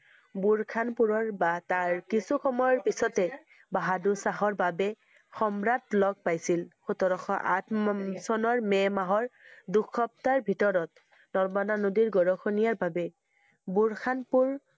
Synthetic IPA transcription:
buɹkʰanpuɹɔɹbataɹkisuxʰɔmɔjɔɹpisɔtɛ | baɦadusaɦɔɹbabɛ | xɔmɹatlɔɡ̚pajsilxutɔɹɔxɔʔa̰tʰsɔnɔɹmɛmaɦɔɹdukʰːɔp̚taɹbʱitɔɹɔt̚ | nɔmananodiɹɡɔɹɔxʰonijaɹbabɛ | buɹkʰanpuɹ

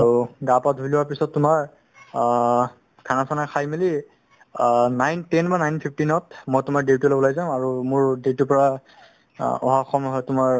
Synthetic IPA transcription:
aɹuɡapatɦujlɔwaɹpisɔtːʊmaɹ | ɡʰʱanasʰanakʰajmili | najntɛnbanajnpʰip̚ʰtinɔtmɔjtʊmaɹdewtulobɔlaɡzaʊ̃aɹumʊɹdewtupɔɹa | ɔ̰ɦaɔxɔmɦɔjtʊmaɹ

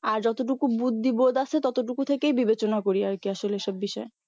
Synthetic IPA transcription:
aɾd͡ʑɔt̪oʈ̬ukubud̪ːibod̪at͡ɕʰet̪ɔt̪oʈ̬ukut̪ʰekejbibet͡ɕonakoɾiaekiaʃoleeʃɔbbiʃɔe

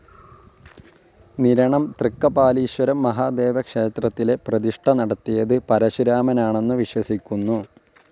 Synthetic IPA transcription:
niɾɐɳɐmt̪rikːɐbaːliːɕwɐɾɐmːɐɦaːd̪e̞ːʋɐkʂe̞ːt̪rɐt̪ːile̞prɐðiʂʈʰɐnɐɽɐt̪ːijɐðɨpɐɾɐɕiɾaːmɐnaːɳe̞nːuʋiɕwɐsikʲːunːu

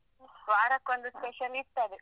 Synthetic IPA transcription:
sʋaːɽɐkʋɐnd̪ɯspɛʃɐlist̪ɐðɯ

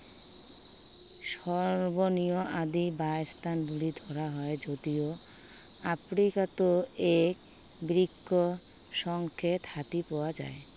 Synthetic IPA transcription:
ʃɔɾbonioʔad̪ibaest̪ʰanbulid̪ʱɔɾaɦɔed͡ʑod̪io | afɾikat̪oek | bɾikʰːo | ʃɔŋkʰet̪hat̪ipɔwad͡ʑa̰e

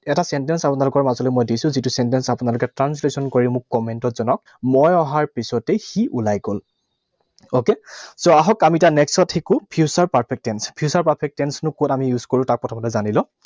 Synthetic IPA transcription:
ɛtasɛntɛnsapʊnalʊkɔɹmazɔlojmojdisʊ̃zitusɛntɛnsapʊnalʊkɛtɹanslesɔnkoɹimʊkːɔmɛntɔtz̥ɔnɔk̚ | mɔjɔɦaɹpisɔtɛxiʔulajɡol | okesoaɦɔkamitanɛksɔtʰxekʊpʰiusaɹpaɹpʰɛk̚tɛnspʰiusaɹpaɹpʰɛk̚tːɛnsnʊkotamijuzkoɹũtak̚pɔtʰɔmatɛzanilɔ̃

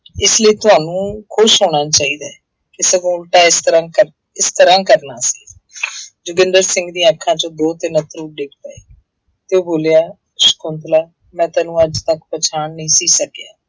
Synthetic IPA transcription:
ɪsləiːt̪ʊɦaːnũːkʰʊʃɦoːñaːt͡ʃaːiːd̪aː | ɪsɡoːlʈaːɪst̪əɾãːkəɾ | ɪst̪əɾãːkəɾnaːsḭː | d͡ʒʊɡənd̪əɾsɪ̃ŋɡd̪ĩːakʰːãːt͡ʃõːd̪oːt̪ɪnət̪ɾuːɖɪkʰt̪aːeː | t̪eoːboːljaː | ʃə̥kʊnt̪laː | mɛ̃ːt̪aːnũːəd͡ʒt̪əkpət͡ʃʰaːɳnĩːsiːsəkjaː

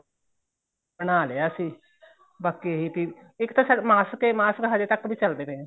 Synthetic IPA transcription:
bəñaːleːaːsiː | bakːeːɦiːp̪i | ɪkt̪asəmaːskemaːskɦad̪eːt̪əkːbʱiːt͡ʃəld̪eːnẽː

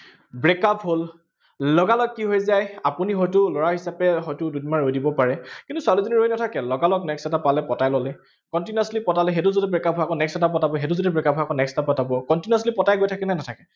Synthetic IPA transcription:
bɹekapʰɦol | lɔɡalɔkːiɦojzajapuniɦɔjtʊlɔɹaɦisapɛɦɔjtʊdudimaɹojdibɔpaɹɛkĩntʊsʊalizoniɹojnatʰakɛlɔɡalɔknɛksɛtapalɛpɔtajlɔlɛ | kɔntinaslipɔtalɛɦetʊzodɛbɹekapɦojakɔ̃nɛksɛtapɔtabɔɦetʊzodɛbɹekapɦɔjakɔ̃nɛksɛtapɔtabɔkɔntinaslipɔtajɡojtʰakɛnanatʰakɛ

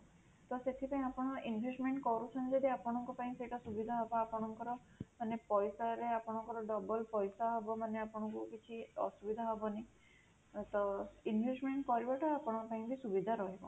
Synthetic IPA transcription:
t̪ɔset̪ʰipaĩapɔɽ̃ɔinbʱesʈmeɳʈkɔɾut͡ʃʰɔnd͡ʒed̪iapɔɽ̃ɔŋkɔpaĩseʈasubid̪ʱaɦɔbɔapɔɽ̃ɔŋkɔɾɔ | manepɔjsaɾeapɔɽ̃ɔŋkɔɾɔɖɔbɔlpɔjsaɦɔbɔmaneapɔɽ̃ɔŋkukit͡ʃʰiɔ̰subid̪ʱaɦɔbɔne | t̪ɔinbʱesʈmeɳʈkɔɾibaʈɔapɔɽ̃ɔpaĩbʱisubid̪ʱaɾɔɦibɔ̰

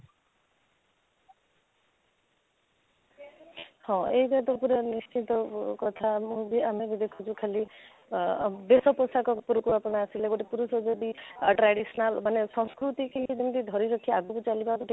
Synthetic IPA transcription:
hɔ̃ejbat̪ɔpuɾɔnist͡ʃit̪ɔkɔt̪ʰamũbiamebid̪ekʰut͡ʃʰukʰali | besɔpɔsakɔpuɾukuapɔɽaasileɡɔʈipuɾusɔd͡ʒeb̪iʈɾaɽisɔnalmanesɔ̃skɾut̪ikeɦid͡ʒend̪id̪ʱɔɾiɾɔkʰiaɡukut͡ʃalibakɔʈi

